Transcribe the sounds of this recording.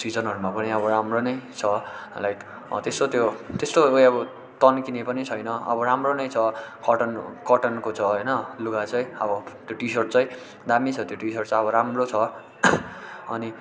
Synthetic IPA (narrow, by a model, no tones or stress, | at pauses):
sid͡zʌnɦʌɾumapʌniʌbʌɾamronʌjt͡sʰʌlajk | t̪est̪ot̪jot̪est̪ojʌbʌ | t̪ʌnkinepʌnit͡sʰʌjnʌʌ̰bʌɾamronʌjt͡sʰʌkʌʈʌnkʌʈʌnkot͡sʰʌɦʌjnʌluɡat͡sʌj̃ʌbʌt̪joʈisʌrt͡sʌj̃ | d̪amit͡sʰʌt̪joʈisʌrt͡sʰʌʌbʌɾamrot͡sʰʌ | ʌni